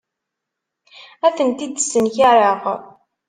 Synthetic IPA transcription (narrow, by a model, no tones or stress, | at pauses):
æθənt̪id̪sːənçaɾˤəʁ